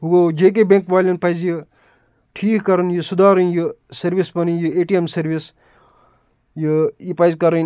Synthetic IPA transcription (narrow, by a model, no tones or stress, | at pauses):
ɦuɡod͡ʒeːk̬ebẽŋkʋaːlʲɐnpɐjzji | ʈʰiːkkɐɾɐnjɨsud̪aːɾɐnjɨsɐɾʋispɐnijɨeːʈiemsɐɾʋis | jɨjipɐizkɐɾɐn